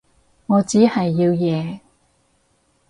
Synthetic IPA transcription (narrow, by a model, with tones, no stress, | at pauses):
ŋɔː˨˧t͡siː˨˥hɐ˨jːiː˧wjɛː˨˧